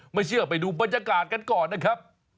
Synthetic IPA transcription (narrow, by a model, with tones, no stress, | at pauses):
ma˥˩jt͡ɕɯ˥˩əpa˨˩jduː˧baː˨˩t̪̚jaː˧kaː˨˩t̪̚ka˧nkɔː˨˩nːa˧˩kʰɾa˦˥p̚